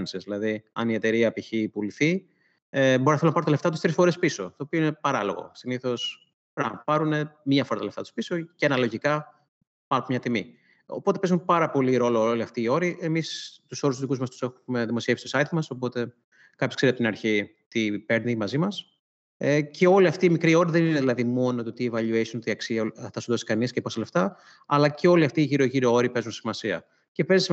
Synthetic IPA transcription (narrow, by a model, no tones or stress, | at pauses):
nsizðilɐðiɐnie̞t̪e̞ɾiɐpiçipuliθi | ebo̞ɾinɐθelonɐpɐɾot̪ɐleft̪ɐt̪ust̪ɾisfo̞ɾe̞spiso̞t̪o̞ːpioine̞pɐɾɐlo̞ɣo̞̰siniθo̞s | pɾɐpɐɾune̞mɐfoɾɐt̪ɐleft̪ɐt̪uspiso̞cɐnɐlo̞ʝikɐ | pɐnopmɲɐt̪imi | o̰po̞t̪e̞pe̞zumpɐɾɐpo̞liɾo̞looliɐft̪iːo̞ɾiʔe̞mist̪uso̞ɾust̪uzðikuzmɐst̪u̥se̞xuume̞ðimosie̞fsi̥to̞sɐit̪mɐso̞po̞t̪e̞ | kɐpçoskseɾt̪ɐpot̪nɐɾçi | t̪ipe̞ɾnemɐzimɐs | ece̞o̞liɐft̪iːmikɾio̞ɾiðenineðilɐðimo̞not̪ot̪ievɐʎuesont̪iɐksiɐt̪ɐsunðosi̥kɐnisceposɐle̞ft̪ɐ | ɐlɐce̞o̞liɐft̪iːʝiɾo̞ʝiɾoo̞ɾipe̞zunsimɐsiɐ̰ | ce̞pezis